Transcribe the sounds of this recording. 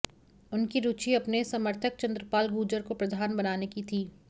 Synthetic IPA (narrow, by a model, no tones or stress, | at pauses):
ʊnkiɾuːt͡ʃiɐpnesɐməɾt̪ʰək̚t͡ʃɐ̃nd̪ɾəpaːlɡuːd͡ʒəɾkopɾɐd̪ʱaːnbɐnaːnekit̪ʰiː